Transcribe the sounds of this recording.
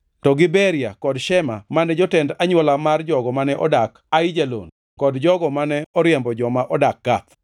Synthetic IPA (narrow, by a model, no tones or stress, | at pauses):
tɔɡɪbɛɾia̰kɔdʃɛmamanɛd͡ʒɔtɛndaɲwɔlamard͡ʒɔɡɔmanɛʔɔdak | aid͡ʒalo̰n | kɔdd͡ʒɔɡɔmanɛɔɾjɛmbɔd͡ʒɔmaʔɔdak̚ːat̪